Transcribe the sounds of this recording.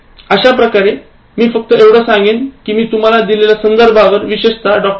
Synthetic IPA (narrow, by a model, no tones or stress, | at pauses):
əɕapɾəkaɾe | miːfək̚t̪əeʋɽəsãŋɡenkiːmiːt̪um̤alad̪ilelasənd̪əɾbʱaʋəɾʋiɕeʂt̪aɖɔk̚